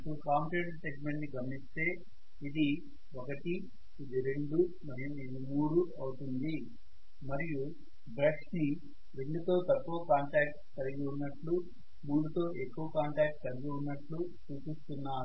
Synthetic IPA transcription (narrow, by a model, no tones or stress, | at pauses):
ipuɽukaːmʈeʈseːkmeɳʈniɡɐmɐnist̪e̞ː | id̪i | okɐʈiː | d̪iɾe̞ɳɖu | mɐɾijuid̪imuːɾuɐwut̪und̪i | mɐɾiju | bɾeksni | ɾe̞ɳɖut̪o̞ːt̪ɐkːuʋɐkaːɳʈɾaːk̚ʈkɐliɡiunːɐʈlu | muːɽut̪o̞ːʔekːuʋɐkaːɳʈɾaːk̚ʈkɐliɡiunːɐʈlu | t͡ʃuːt͡ʃist̪unːaːɾu